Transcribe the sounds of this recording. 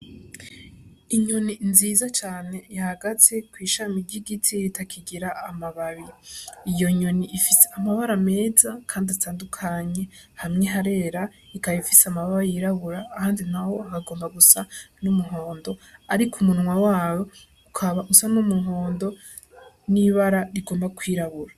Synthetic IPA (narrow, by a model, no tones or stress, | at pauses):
iɲo̞ninziːzat͡ʃaːne̞ihaɡat͡se̞kwiːʃamiɾɟiɡitʰiɾitakʰiɡiɾaːmaβaβiijo̞ɲo̞niifiseamaβaɾame̞ːzakʰaːndiatʰaːndukʰaɲe̞hamŋe̞ɦaɾe̞ːɾaikajifiseamaβaɾajiɾaβuɾaːhaːndinaho̞akaɡo̞ːmbaɡusanumuɦo̞ːndo̞aɾikʰumunŋwawaːwo̞ | ukʰaβaʔusanumuɦo̞ːndo̞ | niβaɾaɾiɡo̞ːmbakʰwiːɾaβuɾa